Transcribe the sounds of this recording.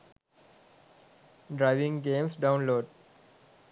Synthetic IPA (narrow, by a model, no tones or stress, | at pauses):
ɖɾaɪʋɪ̃ŋɡẽːmsɖãʊ̃nloːɖ